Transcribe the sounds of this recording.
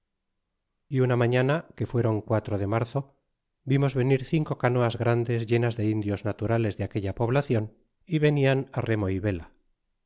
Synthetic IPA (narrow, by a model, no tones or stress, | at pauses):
iunamaɲanake̞fwe̞ɾo̞ŋkwat̪ɾoðe̞maɾθo̞ | bimo̞zβe̞niɾθiŋko̞kano̞azɣɾand̪e̞zʝe̞nazðe̞ind̪jo̞znat̪uɾale̞zðeake̞ʎapo̞βlaθjo̞n | iβe̞nianare̞mo̞iβe̞la